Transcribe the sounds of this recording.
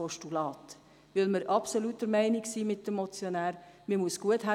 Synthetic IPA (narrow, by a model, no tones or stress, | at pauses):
oʃtulɑːt | ʋɪlməɾʔɑpsolutːəɾmæɪnɪksiːmɪt̚d̥əmːɔt͡sjonæːɾmimuəsɡ̥uətɦæ